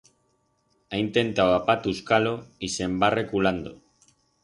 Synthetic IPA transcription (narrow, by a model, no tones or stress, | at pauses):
ajnt̪e̞nt̪aoapat̪uskaloise̞mbarekuland̪o